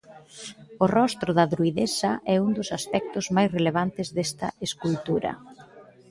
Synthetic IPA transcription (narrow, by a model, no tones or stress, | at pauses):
ʊrɔst̪ɾʊðaðɾuiðesɐʔɛund̪ʊsaspɛk̚t̪ʊzmajsreleβ̞ant̪ɪzðest̪ɐeskult̪uɾɐ̰